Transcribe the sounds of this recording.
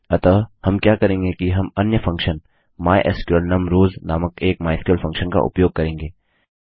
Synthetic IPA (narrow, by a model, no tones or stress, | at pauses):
ɐt̪ɐhɐmkjaːkɐɾẽːŋɡekiɦɐmɐnjəfʰɐ̃ŋkʃən | maːjʔḛskjulnɐmɾoːznaːməkeːk̚maːjskjuəlfʰɐ̃ŋkʃənka̰ʔʊ̰pjoːɡ̚kːɐɾẽːŋɡeː